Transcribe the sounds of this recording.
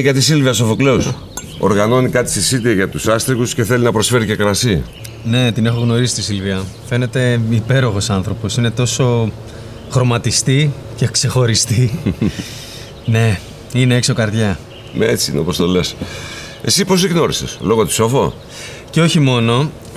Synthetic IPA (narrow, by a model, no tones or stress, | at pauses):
ʝɐt̪̬is̬ilviɐs̬ofokleus | o̞̰ɾɣɐno̞nikɐt̪i̥sisit̪iɐʝɐt̪usɐst̪ɾiɣusce̞θelinɐpɾo̞sfe̞ɾice̞kɾɐsi | ne̞t̪ine̞xo̞ɣno̞ɾisi̥st̪isilviɐfe̞ne̞t̪e̞ipe̞ɾo̞xo̞sɐnθɾo̞po̞sine̞t̪o̞so̞ | xɾo̞mɐt̪ist̪ice̞kse̞xo̞ɾist̪i | ne̞ | ine̞ekso̞kɐɾðʝɐ | met͡sino̰post̪o̞le̞s | e̞sipo̞ziɣno̞ɾise̞slo̞ɣot̪i̥so̞fo̞ | ceo̞çimo̞no̞